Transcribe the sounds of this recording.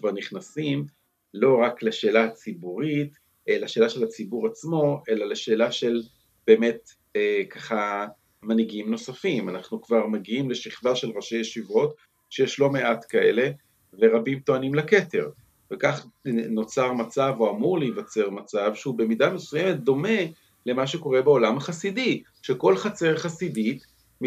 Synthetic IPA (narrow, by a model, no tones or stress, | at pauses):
kvaʁniχnasim | lo̞ʁakleʃe̞ːlat͡sibuʁit | ʔelaʃe̞ːlaʃe̞lat͡sibuʁat͡smo̞ʔe̞laleʃe̞ːlaʃe̞l | b̥eːme̞t̪ | ekaχa | maniɡimno̞safimanaχnukvaʁmaɡiimle̞ʃiχvaʃe̞lʁaʃejeʃivo̞t | ʃejeʃlo̞me̞ʔatkae̞̰le̞ | veʁabimt̪o̞animlake̞te̞ʁ | vekaχno̞t͡saʁmat͡savoamuʁlejvat͡se̞ʁmat͡savʃeube̞midame̞sujeme̞t̪̚d̪o̞me̞ | le̞maʃe̞ko̞ʁe̞beo̞lamhaχasidi | ʃe̞ko̞lχat͡se̞ʁχasidit | m